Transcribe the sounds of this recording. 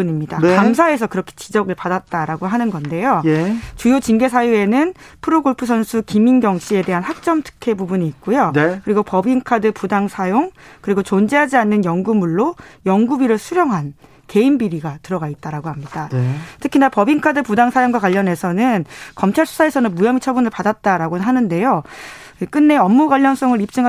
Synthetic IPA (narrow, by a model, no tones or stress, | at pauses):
ɲimɲidaamsʰae̞sʰʌkɯɾʌkʰe̥t͡ɕid͡ʑʌɡɯɭpadat̚t͈aɾaɡoɦanɯnɡʌnde̞jot͡ɕujot͡ɕiŋɡe̞sʰajue̞nɯnpʰɯɾoɡoɭpʰɯs̬ʰʌnsʰukiminɡjʌŋɕʰie̞de̞ɦanhak̚t͡ɕ͈ʌmtʰɯ̥kʰe̞bubuɲiːk̚k͈ujokɯɾiɡopʌbiŋkʰadɯpudaŋsʰajoŋkɯɾiɡot͡ɕond͡ʑeɦad͡ʑianːɯnjʌŋɡumuɭːojʌŋɡubiɾɯɭsʰuɾjʌŋɦan | ke̞imbiɾiɡatɯɾʌɡait̚t͈aɾaɡoɦamɲidatʰɯkʰinapʌbiŋkʰadɯpudaŋsʰajoŋɡwakwaʎːʌne̞sʰʌnɯnkʌmt͡ɕʰaɭsʰu̥sʰae̞sʰʌnɯnmujʌmit͡ɕʰʌbunɯɭpadat̚t͈aɾaɡonɦanɯnde̞jo | k͈ɯnːe̞ʌmːuɡaʎːʌns͈ʌŋɯɾip̚t͡ɕ͈ɯŋa